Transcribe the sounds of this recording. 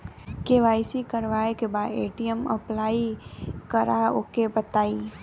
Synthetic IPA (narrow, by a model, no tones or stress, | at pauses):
keʋaːɪsikəɾʋaːekebaeːʈiəməplaːikəɾaokebət̪aːi